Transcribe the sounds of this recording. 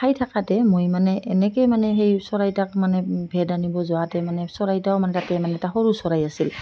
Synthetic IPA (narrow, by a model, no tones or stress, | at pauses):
ajtʰakatɛmojmanɛʔɛnɛkɛmanɛɦejsɔɹajtak̚manɛbʱɛdanibɔzɔwatɛmanɛsɔɹajtaʊmanɛtatɛmanɛtaxɔɹusɔɹajasil